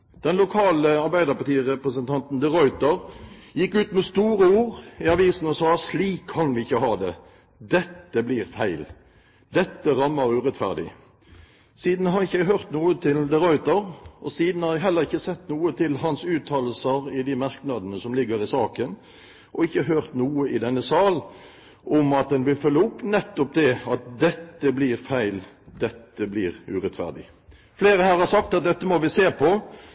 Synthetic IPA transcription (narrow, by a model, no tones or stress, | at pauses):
d̪̥ɛnlʊkʰɑːləɑɾbæɪd̪əʁpɑt̪iːʁɛpʁəsənt̪ʰɑnt̪n̩d̪ɛʁɔʏt̪ɑʁjɪkːʉːt̪mɛst̪uːɾəuːʁɪɑʋiːsn̩ɔsɑːsliːkʰːɑnʋɪɪçːəɦɑːd̪ɛ | d̪ɛt̪ːəblɪʁfæɪl | d̪ɛt̪ːəʁɑmːəʁʉːʁɛt̪fæ̰ʁd̪ɪ̰ | siːd̪n̩hɑɾʁɪçəjæɪɦøʁt̪nuːət̪ʰɪld̪ɛʁɔʏt̪ɑʁɔsiːd̪n̩hɑɾjæɪɦɛlːəʁɪçːəsɛt̪ːnuːət̪ʰɪlhɑnsʉːt̪ʰːɑːləl̩səʁɪd̪ɪmɑʁknɑd̪ənəsɔmlɪɡːəʁɪsɑːkən | ʔɔɪçːəɦøːʁt̪nuːəʔɪd̪ɛnːəsɑːl | ʔɔmɑt̪̚d̪ɛnʋɪlfœlːəʊpːnɛt̪ːɔp̚d̪ɛɑt̪̚d̪ɛt̪ːəblɪʁfæɪl | d̪ɛt̪ːəblɪːʁʉːʁɛt̪fæ̰ʁd̪ɪ̰ | fleːʁəhæːʁhɑʁsɑk̚t̪ɑt̪̚d̪ɛt̪ːəmɔʋɪseːpʰɔ